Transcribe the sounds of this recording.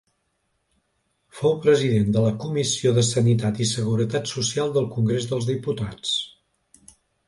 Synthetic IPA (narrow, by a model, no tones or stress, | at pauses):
fowpɾəziðend̪ələkumisioðəsənit̪at̪isəɣ̞uɾət̪at̪susialˠd̪əlˠkuŋɡɾezðəlˠzðiput̪at͡s